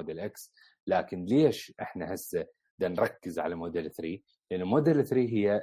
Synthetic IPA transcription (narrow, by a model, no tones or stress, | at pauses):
d̪ːalʔaks | laːkɪnleːʃʔɪħnahɪsːa | d̪anɾˤɑkːɪzʕa̰lamoːd̪alʔθɾiː | lʔɪnːumoːd̪ːalθɾiːɦɪjːa